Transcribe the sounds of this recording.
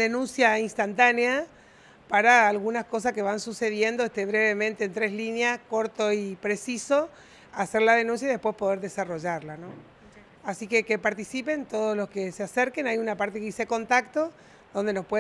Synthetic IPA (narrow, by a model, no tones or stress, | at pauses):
ðenũnsjainst̪ant̪anea | paɾaːlɣunasko̞s̬askeβansuse̞ðje̞nd̪oest̪eβɾe̞βe̞mẽnt̪eːnt̪ɾe̞slinjasko̞ɾt̪oipɾe̞siso | aseɾlaðe̞nũns̬jaiðepwespo̞ð̞eɾðesaroʒaɾlano | asike̞ke̞paɾt̪isipe̞nt̪o̞ð̞oslo̞skeseaseɾkenajunapaɾt̪ekiseko̞nt̪akt̪o̞ | ðo̞nd̪e̞no̞spwe